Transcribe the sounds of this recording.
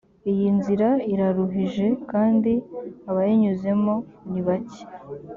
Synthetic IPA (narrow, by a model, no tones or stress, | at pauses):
ijinziɾaiɾaɾuɦiʒe̞kaːndiaβajeɲuze̞mo̞niβaci̥